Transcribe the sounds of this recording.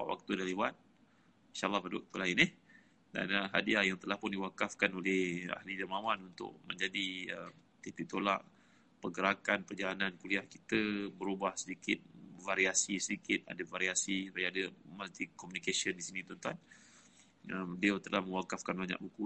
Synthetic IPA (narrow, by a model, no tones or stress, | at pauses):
pa̰ʔwʔa̰k̚t̪udaliwan̚ | inʃaʔalːɑhpadəwa̰k̚t̪ulaɪnɪh | da̰nəɦadiajaŋt̪əlahpʊndiwakafkanolɛha̰hlid͡ʒəmawanunt̪ʊ̰ʔ̚mə̰̃ɲd͡ʒadiə | t̪ip̪it̪ola̰ʔ | pəɡəɾakanpərd͡ʒalanankuliahkit̪əbəɾubahsədikɪt̪̚vaɾiasisədikɪt̪̚a̰dəvaɾiasisupajaadəmalt̪ikːɔmunikasiəndisinĩt̪ɔnt̪an | əmliat̪əlahmə̃ŋwakafkanbaɲa̰ʔbuku